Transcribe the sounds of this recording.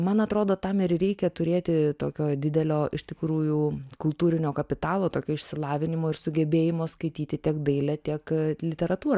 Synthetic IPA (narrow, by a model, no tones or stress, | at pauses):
mɐnɐt̪ɾoːd̪oːt̪ɐmɪɾɾʲɛɪkʲɛt̪ʊɾʲeːt̪ʲɪt̪oːkʲoːd̪ʲɪd̪ʲɛlʲoːʔɪʃʲt̪ʲɪkɾuːjukʊlˠt̪uːɾʲɪnʲoːkɐpʲɪt̪ɑːlˠoːt̪oːkʲoːɪʃʲsʲɪlˠɑːʋʲɪnʲɪmoːɪɾsʊɡʲɛbʲeːjɪmoːskɐɪt̪ʲiːt̪ʲɪt̪ʲiɛkd̪ɐɪlʲɛt̪ʲiɛklʲɪt̪ʲɛɾɐt̪uːɾ